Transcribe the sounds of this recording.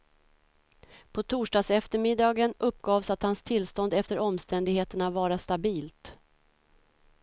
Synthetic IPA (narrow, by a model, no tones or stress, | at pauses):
pʰɔt̪ʰuːʂɖɑːsɛft̪əɾmɪd̪ɑːɡənʔɵpːɡɑːvsat̪hanst̪ʰɪlst̪ɔnd̪ɛft̪əɾɔmst̪ɛnd̪ɪɡheːt̪əɳavɑːɾast̪abiːlt̪